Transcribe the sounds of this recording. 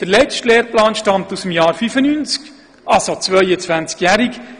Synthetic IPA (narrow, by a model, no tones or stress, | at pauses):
d̪̥əɾlɛt͡ʃtleːrplɑːnʃtɑmt̪usəmjɑːɾfyfənynt͡sk | ʔɑlsot͡svœjət͡sʋænt͡skjæɾik